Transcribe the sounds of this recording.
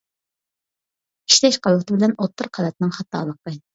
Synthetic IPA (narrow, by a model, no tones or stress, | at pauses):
i̥ʃt̪ɛʃqʰɑlˠət̪ʰɨbɪlɛnot̪ʰːʊɾqʰɑlɛt̪nɨŋχɑt̪ːɑ̰ːlˠəqə